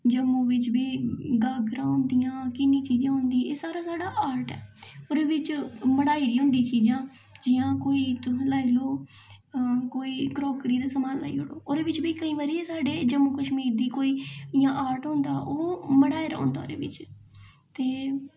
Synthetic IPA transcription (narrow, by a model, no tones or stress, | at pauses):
d͡ʒəmũːʋɪt͡ʃbiːɡaːɡɾãːɦʊ̃nd̪ɪjãːkɪnːĩːt͡ʃiːd͡ʒãːɦʊ̃nd̪iːeːsaːɾaːsaːɽaːʔaːɾʈɛ̰ːoːɾeːʋɪt͡ʃməɽaːiːɾiːɦʊ̃nd̪ĩːt͡ʃiːd͡ʒãː | d͡ʒɪjãːkoːiːt̪ʊ̃laːiloː | koːiːkɾɔːkɽiːd̪aːsəmaːla̰ːḭːɦʊɽo̰ːoːɾeːʋɪt͡ʃbiːkəĩːʋaːɾiːeːsaːɖeːd͡ʒəmuːkəʃmiːɾd̪iːkoːiːɪjãːʔaːɾʈɦõnd̪aːʔoːməɽaːeɾã̰ːnd̪a̰ːo̰ːɾḛːʋɪt͡ʃ | t̪eː